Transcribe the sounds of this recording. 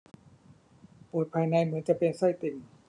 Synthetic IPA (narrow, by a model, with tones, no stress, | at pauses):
pu˨˩t̪̚pʰaː˧jna˧jmɯ˨˦ənt͡ɕa˨˩ʔpe˧nsa˥˩jt̪i˧˩ŋ